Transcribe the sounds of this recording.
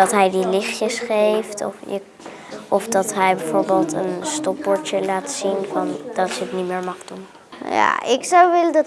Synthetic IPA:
ɑtɦɛjdilɪχjəsχejftɔ̰fjə̰ | ʔɔfdɑtɦɛjbɛvoːɹbeːlˠtə̰nstɔpɔɹt͡ʃəlaːtsinvɑndɑtsəəknimɪːɹmɑχdun | ja̰ɪksawʋɪlədɑt

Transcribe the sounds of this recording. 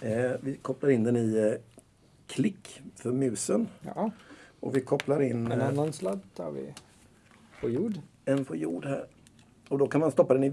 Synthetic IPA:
vɪkʰɔplaɾɪnd̪ɛnɪ | kʰlɪkːfœɾmʉ̟ːsən | ʔɔ̰vɪkʰɔplaɾɪnːɛanːanslad̪t̪ʰɑ̰ɾvɪ̰ | pʰɔjuːɖ | ɛnpʰɔjṵːɖhæ̰ːɾ | ɔd̪ɔkʰanmanst̪ɔpːad̪ɛnɪ

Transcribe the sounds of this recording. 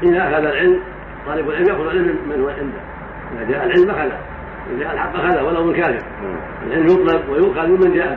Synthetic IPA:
ʔɪnaʔaxaðalʕɪlm | t̪ˤɑːlɪbalʕɪlːmjaʔxʊðʕɪlːɪnhʊmːalʕɪnd̪a | ʔɪnad̪jaːʔalʕɪlmʔaxaða̰ | ɪ̰daʔalħabːʔaxaðawalːawmɪnkaːɾɪf | alʕɪlːmjʊt̪ˤlɪbwajʊʔxaðmɪmɪnd̪jaːʔa

